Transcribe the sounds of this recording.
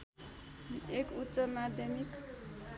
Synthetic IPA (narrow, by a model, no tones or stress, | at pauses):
ekutːt͡sʌmad̪ʱjʌmik